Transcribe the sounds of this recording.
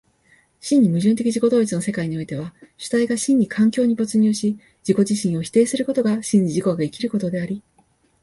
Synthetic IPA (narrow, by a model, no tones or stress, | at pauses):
ɕĩɲ̟ːimɯ̟ʑɨ̃nt̪e̞kʲiʑiko̞d̪o̞ːit͡sɨno̞se̞kaiɲ̟io̞it̪e̞β̞aɕɨ̥t̪aiɡaɕĩɲ̟ːikʰãŋkʲo̞ːɲ̟ibot͡sɨɲ̟ʲɨːɕi | d͡ʑiko̞d͡ʑiɕĩɰ̃o̞çi̥t̪e̞ːsɨɾɯ̟ko̞t̪o̞ɡaɕĩɲ̟ːiʑiko̞ɡaikʲiɾɯ̟ko̞t̪o̞d̪e̞aɾʲi